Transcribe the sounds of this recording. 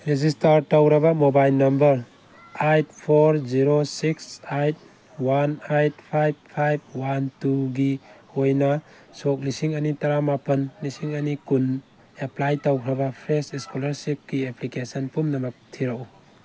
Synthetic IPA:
ɾezistaɾtawɾɐbamobajlnɐmbɐɾ | ajt̚pʰoɾziɾosiksajt̚ | wanajt̚pʰajb̚pʰajb̚wantuɡi | ojnɐ | sok̚lisiŋɐnitaɾamapɐnːisiŋɐnikun | eplajtawkʰɾɐbapʰɾesiskulɐɾsip̚kieplikesɐnpumnɐmɐk̚tʰiɾaw

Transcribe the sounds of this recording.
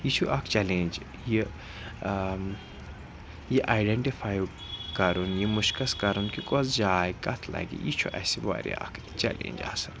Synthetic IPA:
jit͡ʃʰuʔɐkʰt͡ʃɛlend͡ʒ | ji | jiʔaːjɖeɳʈifʰaːj | kɐɾunjimuʃkɐskɐɾunkikozd͡ʒaːjkɐt̪ʰlɐ̰ɡḭjit͡ʃʰuʔɐ̰siʋa̰ɾḭɐ̰kʰ | t͡ʃɛ̰lḛ̃ːnʲd͡ʒa̰sɐn

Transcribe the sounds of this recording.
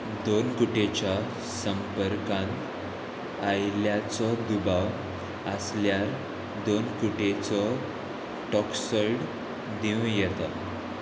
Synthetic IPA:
d̪onkuʈet͡ɕa | səmpəɾkãn | ajljat͡sɔd̪ubaw | əsljaɾ | d̪onkuʈet͡sɔ | ʈɔksəɾɽ | d̪ĩjɛt̪a

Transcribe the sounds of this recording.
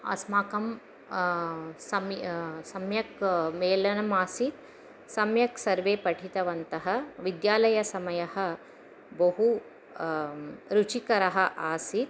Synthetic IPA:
ɐ̰smaːkɐm | sɐmsɐmjɐkmeːlɐnɐmaːsit̪̚ | sɐmjɐksɐɾʋeːpɐʈʰit̪ɐʋɐnt̪ɐɦɐ̆ʋid̪jaːlɐjɐsɐmɐjɐɦɐ̆ | bɐɦu | ɾut͡ʃikɐɾɐɦɐ̆ʔaːsit̪̚

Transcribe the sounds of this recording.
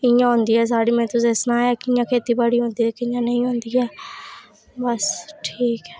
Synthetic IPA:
ɪjãːɦʊ̃nd̪iːɦɛːs̬aːɽiːmɛ̃ːt̪ʊsesnãːaːkɪɪjãːkʰeːt̪iːbəɽiːɦõːnd̪iːɛːkɪɪjãːnəĩːɦõːnd̪iːɛː | bəsʈʰiːkɛː

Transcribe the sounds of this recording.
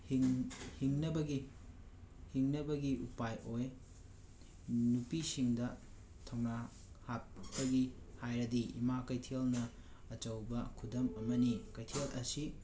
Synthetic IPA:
hiŋhiŋnɐbɐɡi | hiŋnɐbɐɡiʔupajʔoj | nupisiŋdɐ | tʰɐwna | happɐɡihajɾɐdiḭmakɐjtʰelnɐː | t͡ʃɐwbɐkʰudɐmɐmɐnikɐjtʰelʔɐsi

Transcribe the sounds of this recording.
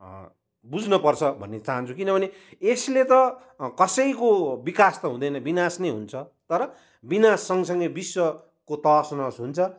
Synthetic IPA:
bud͡znʌpʌrt͡sʰʌbʱʌ̰nːet͡saɦʌnt͡sʰukinʌbʱʌne | eslet̪ʌ | kʌsʌjkobikast̪ʌɦũd̪ʌjnʌbinasneɦṵnt͡sʰʌt̪ʌɾʌ | binasːʌŋʌs̬ʌŋɡʌjbiswʌ | kot̪ʌsnasɦunt͡sʰʌ

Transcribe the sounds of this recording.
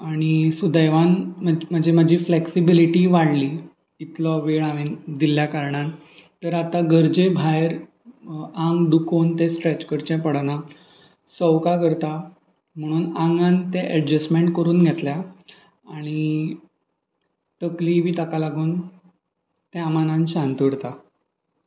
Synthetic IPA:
aɽ̃isud̪əjʋanməməd͡ʑiməd͡ʑʱiːfleksibiliʈiʋaɽliː | it̪lɔʋeɭaʋid̪iljakaɾɳãn | t̪əɾat̪aɡəɾd͡ʑebʱajɾ | ãŋɡɖ̪ukont̪ẽsʈɾet͡ɕkəɾt͡ɕɛ̃pəɽana | səwkakəɾt̪a | m̤əɽ̃uːnãŋɡãnt̪eʔəɖd͡ʑəsmeɳʈkəɾuːnɡʱet̪lja | aɽ̃i | t̪əkliʋiːt̪akalaɡuːn | t̪eamanãnɕãnt̪əɽt̪a

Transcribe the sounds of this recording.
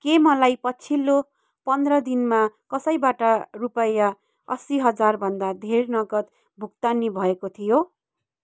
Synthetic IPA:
kemʌlajpʌt͡sʰilːo | pʌnd̪rʌd̪inmakʌsʌjbaʈʌrupʌja | ʌ̰siɦʌd͡zarbʱʌnd̪ad̪ʱernʌɡʌt̪ | bʱuk̚t̪anibʱʌekot̪ʰijo

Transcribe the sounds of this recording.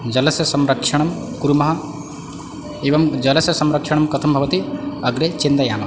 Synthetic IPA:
d͡ʒɐlɐsjɐsɐmɾɐkʂɐɳ̃ɐm | kuɾumɐɦɐ | eːʋɐmd͡ʒɐlɐsjɐsɐmɾɐkʂɐɳɐmkɐt̪ʰɐmbʱɐʋɐt̪iɐɡɾet͡ʃind̪ɐjaːmɐ

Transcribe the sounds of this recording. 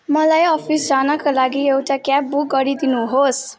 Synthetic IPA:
mʌlajʌpʰisd͡zanʌkolaɡiewʈakap̚buk̚ɡʌɾid̪inuɦos

